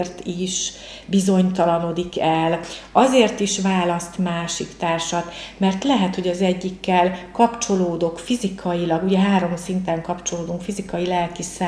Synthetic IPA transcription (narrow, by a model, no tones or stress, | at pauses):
rt̪iʃ | bizo̞ɲt̪ɒlɒnod̪ikɛlɒzeːrt̪iʃvaːlɒst̪maːʃḭkt̪aːrʃɒt̪mɛrt̪lɛɦɛt̪ho̞ɟɒzɛɟːikːɛlkɒpt͡ʃo̞loːd̪o̞kfizikʰɒjilɒɡuɟɛɦaːɾo̞msint̪ɛŋkɒpt͡ʃo̞loːd̪uŋkfizikɒjilɛlkisa